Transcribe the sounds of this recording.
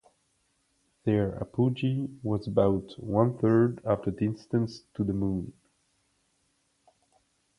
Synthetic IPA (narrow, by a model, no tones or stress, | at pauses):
ðɛ˞a̰pʰud͡ʒiwʌzəbaʊtwʌ̃nθɜ˞dæftədɪ̃nstə̃nstʰuðəmũːn